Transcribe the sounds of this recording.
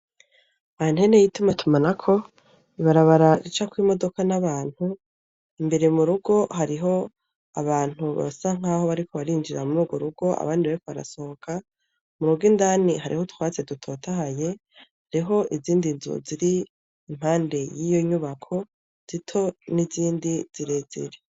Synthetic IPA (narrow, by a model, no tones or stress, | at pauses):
aan̥he̞ne̞jitumatʰumanakʰo̞ | iβaɾaβaɾaɾit͡ʃakwimo̞do̞kanaβaːn̥hu | imbe̞ɾemuɾuɡo̞ɦaɾiɦo̞ | aβaːn̥huβa̰saŋ̥haho̞βaɾikʰo̞βaɾiːnd͡ʒiɾamuɾuːɡwoɾuɡo̞a̰βaːndiβaɾiko̞βaɾa̰so̞hokʰa | muɾuɡindaːnihaɾḭho̞tʰwaːt͡se̞dutʰo̞ːtaɦaje̞ | haɾiɦo̞ʔiziːndinzṵziɾiː | m̥haːnde̞jijo̞ɲuβakʰo̞ | z̥itʰo̞niziːndiz̥iɾe̞zḛɾe